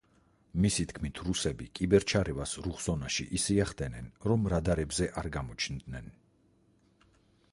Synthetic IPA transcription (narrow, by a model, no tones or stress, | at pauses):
misit̪ʰkʰmit̪ʰɾusɛbikʼibɛɾt͡ʃʰaɾɛvasɾuχsɔnaʃḭʔisiaχd̪ɛnɛnɾɔmɾad̪aɾɛbzɛʔaɾɡamɔt͡ʃʰnd̪nɛn